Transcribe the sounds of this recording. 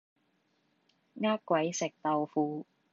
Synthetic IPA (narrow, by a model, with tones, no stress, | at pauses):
ŋaː˥kkʷːwɐ˨˥jsɪ˨˩k̚t̪ɐ˨˧wfuː˧